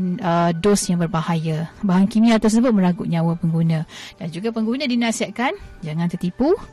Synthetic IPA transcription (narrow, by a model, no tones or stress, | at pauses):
nədosjaŋbərbahajabaɦaŋkimiat̪ərs̬əbʊt̪̚mə̃ɾaɡuʔɲãwəpəŋɡunə̃dand͡ʒuɡapəŋɡunə̃dinãsiaʔ̚kand͡ʒaŋãnt̪ərt̪ipu